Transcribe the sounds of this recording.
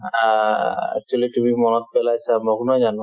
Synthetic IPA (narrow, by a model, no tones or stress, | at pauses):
aɛ̰k̚t͡ɕualit̪umimɔnɔt̪̚pɛlat͡ɕʰamɔkunad͡ʑano